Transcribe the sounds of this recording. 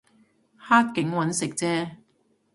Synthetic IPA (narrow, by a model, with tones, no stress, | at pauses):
haː˥t̚kɪ˨˥ŋwɐ˨˧˥nsɪ˨k̚t͡sɛː˥